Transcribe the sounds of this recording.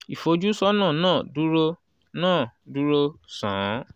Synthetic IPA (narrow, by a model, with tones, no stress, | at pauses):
i˨fo˧˦d͡ʒu˦sɔ˦nãː˦˨nãː˦˨du˦ɾo˦ | nãː˦˨du˦ɾo˧sã˨˦